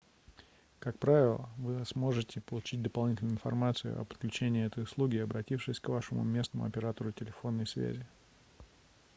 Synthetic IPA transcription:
kak̚pɾavʲɪlˠəvɨsmo̞ʐɨtʲɪpəlˠʊt͡ɕit̚ʲd̪əpɐlˠnʲitʲɪlʲnʊɪnfɐ̰rmat̪sɨjʊ̰ʔɐ̰pə̥t̪klʲʉt͡ɕenʲɪːɛt̪əjʊslˠuɡʲɪɐbɾɐtʲifʂɨsʲkvaʂɨmʊ̰mʲe̞snəmʊ̰ɐpʲɪɾat̪əɾʊtʲɪlʲɪfo̞nːəjsvʲæ̰zʲɪ

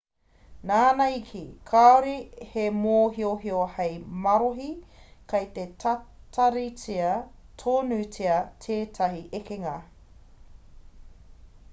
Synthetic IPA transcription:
naːnɐikʰikʰaoɾihemoːɦioɦiohɐjmɐɾoɦikʰɐjt̪ettʰɐɾit͡siɐ | tʰoːnʉt͡siɐtʰeːtʰɐɦiʔekeŋɐ

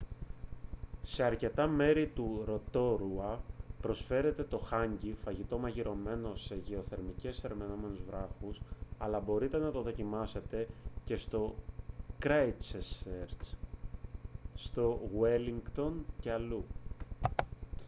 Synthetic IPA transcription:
se̞ɐɾce̞t̪ɐme̞ɾit̪uɾo̞t̪o̞ɾuɐpɾo̞sfe̞ɾe̞t̪e̞t̪o̞xɐɲɟifɐʝit̪o̞mɐʝiɾo̞me̞no̞se̞ʝe̞o̞θe̞ɾmice̞se̞ɾme̞no̞me̞nuzvɾɐxusɐlɐbo̞ɾit̪e̞nɐt̪o̞ðo̞cimɐse̞t̪e̞ce̞st̪o̞kɾeit͡seseɾ | st̪o̞ɣweliŋɡt̪o̞nce̞ɐlu

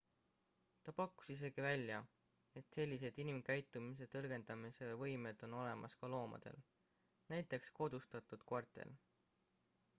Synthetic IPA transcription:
t̪ɑpɑkːu̥sis̬e̞ɡ̥ivælʲːjɑ | e̞t̪se̞lʲːis̬e̞d̪̥inimkæjt̪ːˑumis̬e̞t̪ɤlɡ̥e̞nd̪̥ɑmise̞vɤjme̞d̪̥o̞no̞le̞mʔɑskɑlo̞ːmɑ̰d̪̥ḛl | næjt̪ːˑe̞ksko̞d̪̥ust̪ɑt̪ːˑud̪̥kɑrt̪ˑḛl

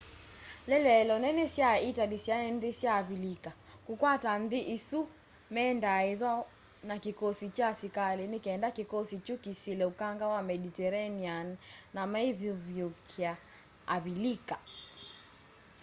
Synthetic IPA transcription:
lɛlɛlɔnɛnɛsjaitadisjaɛnðisjaːβilikakukwatan̩ðiʔisu | mɛndaɛðwa | nakikɔsit͡ʃasikalinikɛndakikɔsit͡ʃukisilɛukaŋɡawamɛditɛɾaniannamaiβjuβjukʰiaː | βilika

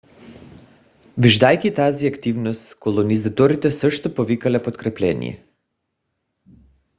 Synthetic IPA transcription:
viʒd̪ajkit̪aziakt̪ivnost̪kolˠonizat̪ɔɾit̪ɛsəʃt̪opovikalɛpot̪kɾɛplɛnḭjɛ̰

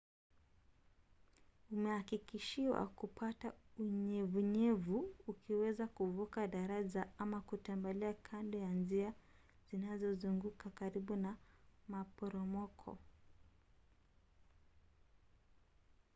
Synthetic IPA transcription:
umɛhakikiʃiwa̰kupʰatauɲɛvuɲɛvuukiwɛzakuvukaɗaɾazaamakutɛmbaliakʰandɔjanzia | z̥inazɔzuŋɡukakaɾiɓunamapɔɾɔmɔkʰɔ̰

